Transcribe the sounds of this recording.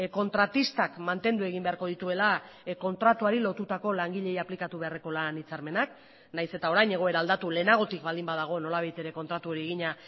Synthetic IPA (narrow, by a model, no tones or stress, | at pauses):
ko̞nt̪ɾat̪ist̪akmant̪e̞nd̪ue̞ɣ̞imbe̞aɾko̞ðit̪ue̞la | ko̞nt̪ɾat̪uaɾilo̞t̪ut̪ako̞laŋɡiʎe̞japlikat̪uβe̞are̞ko̞lanit͡saɾme̞nak | najse̞t̪ao̞ɾajɲe̞ɣ̞o̞e̞ɾaːld̪at̪ule̞naɣ̞o̞t̪ikbald̪imbaðaɣ̞o̞no̞laβ̞ajt̪e̞ɾe̞ko̞nt̪ɾat̪uo̞ɾieɣiɲa